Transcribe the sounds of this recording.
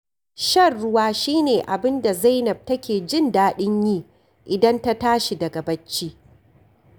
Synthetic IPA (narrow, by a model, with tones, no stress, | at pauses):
ʃɐ˦˨rːʊ˦waː˦ʃiː˦neː˨ʔa˨bɪ˦nda˨za˦jnɐ˨b̚tɐ˦kʲeː˨d͡ʒɪ˦˨ndaː˦ɗɪ˦ɲjiː˦ | ʔɪ˨dɐ˦nta˦taː˦ʃi˨dɐ˨ɡɐ˨bɐ˦t͡ʃːiː˦